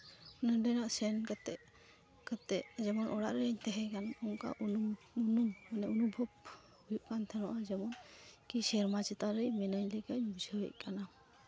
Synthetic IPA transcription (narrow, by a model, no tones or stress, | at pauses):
ɔnadənaʔsɛnkat̪ɛ | kat̪ɛʔd͡ʒɛmɔnʔɔɽaʔɾəɲt̪ɛɦɛkanɔŋka̰ʔ | unumanɛɔnubʱɔb | hujuʔkant̪ʰɛnɔʔad͡ʒɛmɔnkisɛɾmat͡ʃɛt̪aɾəjmɛnajlɛkaɲbud͡ʒʱəwə̰jkana